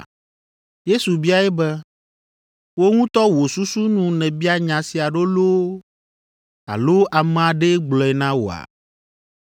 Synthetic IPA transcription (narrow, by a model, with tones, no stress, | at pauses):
je˦su˨bi˦a˦ɛ˦bɛ˦ | wo˦ŋũ˦t̪ɔ˦wo˨su˦su˦nũ˨nɛ̃˨bi˦a˦ɲã˨si˨a˨ɖo˦lo˦ | a̰˨lo˦ʔa˨m̃˨a˨ɖe˦ɡ͡blɔ˨ɛ˨nã˦wo̰˨a̰˨